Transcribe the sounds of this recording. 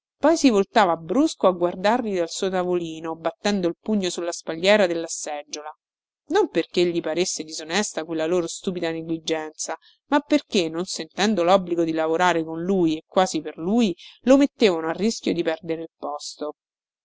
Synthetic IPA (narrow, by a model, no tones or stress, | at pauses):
pɔjsivolt̪aːvabɾuskoaɡward̪arʎid̪alsuːot̪avoliːnobat̪ːɛnd̪oilpuɲːosulːaspaʎːɛːɾad̪elːasɛd͡ʒːola | nomperkeʎːipaɾesːed̪izonɛst̪akwelːaloːɾost̪uːpid̪aneɡlid͡ʒɛnt̪sa | mapːerkenːonsent̪ɛnd̪olɔbliɡod̪ilavoɾaːɾekonlujekːwaːziperluːjlomet̪ːeːvanoarːisk̟jod̪ipɛrd̪eɾeilpɔst̪o